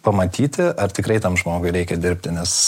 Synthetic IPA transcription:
pɐmɐt̪ʲiːt̪ʲɪɐrt̪ʲɪkrɐɪt̪ɐmʒmoːɡʊɪɾʲɛɪkʲɛd̪ʲɪɾʲpʲt̪ʲɪnʲɛs

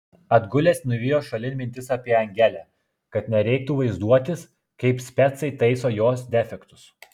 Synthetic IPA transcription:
ɐd̪ɡʊlʲeːsnʊʋʲijoːʃɐlʲɪnʲmʲɪnʲt̪ʲɪsɑpʲiɛɐŋʲɡʲæːlʲæ | kɐt̪nʲɛɾʲɛɪk̚t̪uʋɐɪzd̪uɔt̪ʲɪs | kɐɪpsʲpʲɛt̪sɐɪt̪ɐɪsoːjoːsd̪ʲɛfʲɛkt̪ʊs

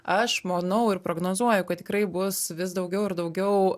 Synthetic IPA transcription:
ɐʃmoːnɐʊɪrpɾoːɡnoːzuɔjʊkɐt̪tʲɪ̥kɾɐɪbʊsʋʲɪs̬d̪ɐʊɡʲɛʊɪɾd̪ɐʊɡʲɛʊ

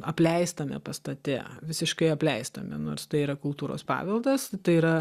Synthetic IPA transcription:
ɐpʲlʲɛɪst̪ɐmʲɛ̰pɐst̪ɐt̪ʲɛ̰ʋʲɪsʲɪʃkɐɪɐpʲlʲɛɪst̪ɐmʲɛ̰noːɾst̪ɐɪiɾɐkʊlˠt̪uːɾo̰ːspɑ̰ːʋʲɪlˠd̪ɐst̪ɐɪiːɾɐ

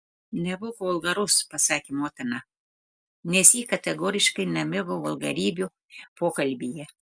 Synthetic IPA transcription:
nʲɛbʊʋoɐlˠɡɐɾʊspɐsɑːkʲimoːt̪ʲɐnɐ | nʲɛsjiːkɐt̪ʲɛɡoːɾʲɪʃkɐɪnɐmʲɪbʊʋɐlˠɡɐɾʲiːbʲʊ | poːkɐlʲbʲijɛ

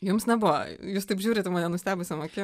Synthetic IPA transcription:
jʊmsnʲɛbʊʋɐ̰juːst̪ɐɪpʒʲuːɾʲɪt̪ʲɛmɐːnʲɛnʊsʲt̪ʲæːbʊsʲɛmoːkʲɪ

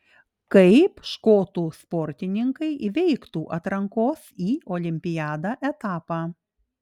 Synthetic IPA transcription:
kɐɪpʃkoːt̪uːspɔɾʲt̪ʲɪnʲɪŋkɐɪʋʲɛɪkt̪uːʔɐt̪ɾɐŋkoːsiːʔɔlʲɪmʲpʲɪjæːd̪ɑʔɛt̪ɑːpɑː

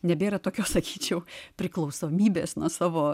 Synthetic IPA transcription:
nʲɛbʲeːɾɐt̪oːkʲoːssɐkʲiːt͡ʃʲɛʊpʲɾʲɪklˠɐʊsoːmʲiːbʲeːsnuɔsɑːʋoː

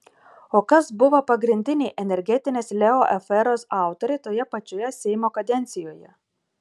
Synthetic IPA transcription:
oːkɐsbʊʋɐpɐɡɾʲɪnʲd̪ʲɪnʲɛɪʔɛnʲɛɾʲɡʲɛt̪ʲɪnʲeːslʲɛoʔɛfɛɾoːsɑˑʊt̪oɾʲɛɪt̪oːjɛpɐt͡ʃʲoːjɛsʲɛɪmoːkɐd̪ʲɛnʲt̪sʲɪjoːjɛ

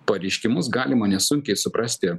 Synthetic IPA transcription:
pɐɾʲɛɪʃʲkʲɪmʊsɡɑːlʲɪmɐnʲɛsʊŋʲkʲɛɪsʊpɾɑsʲt̪ʲɪ

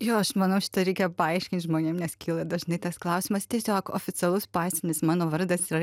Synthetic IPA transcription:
joːɐʃmɐnɐʊʃʲɪ̥t̪ɐɾʲɛɪkʲɛpɐɐɪʃʲkʲɪnʲt̪ʲʒmoːnʲeːmnʲɛskʲʰiːlˠɐd̪ɐʒnɐɪt̪ɐsklˠɐʊsʲɪmɐst̪ʲɛsʲoːko̰ːfʲɪt͡s̪ʲɛlˠʊspɑːsʲɪnʲɪsmɑːnoːʋɐɾd̪ɐsɪɾɐ

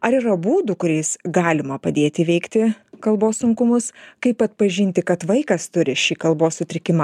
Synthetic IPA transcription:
ɐɾiːɾɐbuːd̪ʊkʊɾʲɛɪsɡɑːlʲɪmɐpɐd̪ʲeːt̪ʲɪʋʲɛɪkt̪ʲɪkɐlˠboːssʊŋkʊmʊskɐɪpɐt̪̚pɐʒʲɪnʲt̪ʲɪkɐt̪ʋɐɪkɐst̪ʊɾʲɪʃʲiːkɐlˠboːssʊt̪ʲɾʲɪkʲɪmɐ

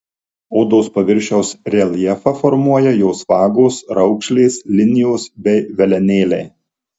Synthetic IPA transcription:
oːd̪oːspɐʋʲɪɾʲˑʃʲɛʊsɾʲɛlʲˠjɛfɐfɔɾmuɔjɛjoːsʋɑːɡoːsɾɐʊkʃʲlʲeːslʲɪnʲɪjoːsbʲɛɪʋʲɛlʲɛnʲeːlʲɛː

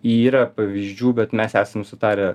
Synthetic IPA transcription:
iːɾɐpɐʋʲiːzʲd͡ʒʲuːbʲɛt̪mʲɛsæːsɐmsʊt̪ɑːɾʲɛ

